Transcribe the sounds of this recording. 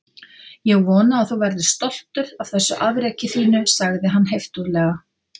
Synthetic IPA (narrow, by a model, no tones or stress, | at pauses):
jɛɣvɔːnaːðθowvɛɾðʏst̪ɔl̥t̪ʏɾav̥θɛsːʏʔavɾɛːcɪθiːnʏsaɣðɪɦanːɦejft̪uðlɛːɣa